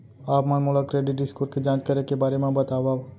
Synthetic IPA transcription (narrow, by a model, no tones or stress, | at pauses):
aːpmənmʊlakɾeːɖiʈ̚ɖɪskoːɾked͡ʒãːt͡ʃkəɾekebaːɾemãbət̪aːʋaː